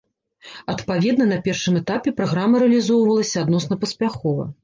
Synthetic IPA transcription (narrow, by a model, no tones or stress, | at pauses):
ɐt̪pavʲɛd̪nɐnɐpʲɛrʂɨmɛt̪apʲɛpɾaɣɾamːɐɾɛɐlʲizɔwvɐlˠɐsʲɐad̪nɔsnɐpɐsʲpʲaxɔvɐ̰